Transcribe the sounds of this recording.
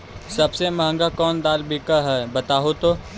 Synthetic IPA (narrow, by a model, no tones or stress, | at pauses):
sɐbsemɐɦə̃ŋɡakɔːnd̪aːlbʱikaɦɛːbɐt̪aːɦot̪oː